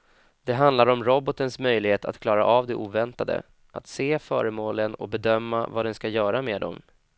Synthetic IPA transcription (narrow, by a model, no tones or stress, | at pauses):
d̪̥ɛɦand̪laɾɔmɾɔbɔt̪ənsmœjlɪheːt̪ʰa̰t̪kʰlɑːɾaʔavd̪ɛʔuːvɛnt̪ad̪ə̰ | ʔat̪seːfœːɾəmoːlənɔbɛd̪œmːa̰vad̪ɛnskajœːɾameːd̪ɔ̰m